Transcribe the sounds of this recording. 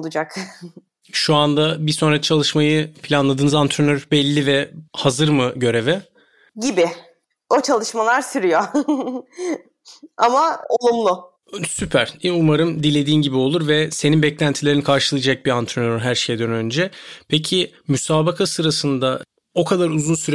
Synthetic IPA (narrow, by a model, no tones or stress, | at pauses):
olˠud͡ʒak | ʃuand̪abiso̞nɾat͡ʃʰalˠɯʃmajɯpʰilʲanlˠad̪ɯːnɯzant̪ʰɾønøɾbɛlʲːivɛhazɯɾmɯɟø̞ɾe̞vɛ | ɟibɪ | o̞t͡ʃʰalˠɯʃmalˠaɾsyɾyjo | a̰mao̞lˠumlˠʊ | sypʰæɾ̥umaɾɯmd̪ilʲe̞d̪iːmɟibio̞lˠuɾvɛseninbɛclʲænt̪ʰilʲe̞ɾinikʰaɾʃɯlˠɯjd͡ʒak̚biant̪ʰɾenøɾɦæɾʃejɛd̪ønønd͡ʒɛpʰe̞cʰi | mysaːbakʰasɯɾasɯnd̪a | o̞kʰad̪aɾuzunsyɾɛ